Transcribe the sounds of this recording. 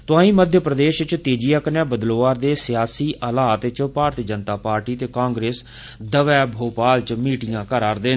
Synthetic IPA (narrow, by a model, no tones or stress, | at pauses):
t̪ʊãːĩːməd̪ʱjəpɾəd̪eːʃt͡ʃt̪eːd͡ʒijaːkənjaːbəd̪loːʋaːɾd̪eːsɪjaːsiːʔʔəlaːt̪t͡ʃpaːɾt̪iːd͡ʒənt̪aːpaːɾʈiːt̪eːkãːŋɡɾeːs | d̪əʋɛːbʱoːpaːlt͡ʃmiːʈɪjãːkəɾaːɾd̪eːn